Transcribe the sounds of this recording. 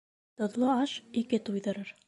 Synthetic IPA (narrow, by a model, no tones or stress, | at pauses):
t̪ŏðlˠoɑʃikɘt̪ujðɤ̆ɾɤɾ